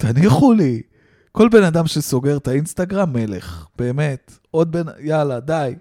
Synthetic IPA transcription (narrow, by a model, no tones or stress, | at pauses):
t̪aniχuli | ko̞lbe̞nad̪amʃeso̞ɡe̞ʁt̪ainst̪aɡʁamːe̞le̞̰χb̥e̞ːme̞t̪ | o̞d̪̚benajalad̪aj